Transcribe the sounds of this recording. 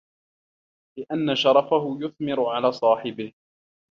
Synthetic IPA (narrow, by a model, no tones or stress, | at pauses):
lɪʔanːaʃɑɾˤɑfaɦʊjʊθmɪɾʊʕalaːsˤɑːħɪbɪh